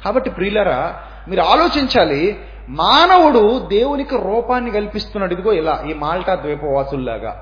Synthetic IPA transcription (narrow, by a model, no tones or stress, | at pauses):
kaːbɐʈːipɾiːlɐɾaː | miːɾuaːlo̞ːt͡ʃiɲt͡ʃaːli | maːnɐwuɽud̪e̞ːwunikiɾuːpaːnːikɐlipist̪unːɐɽid̪uɡo̞ːilaːʔiːmaːlʈɐd̪ʋɛjpɐʋaːsulla̰ːɡa̰ː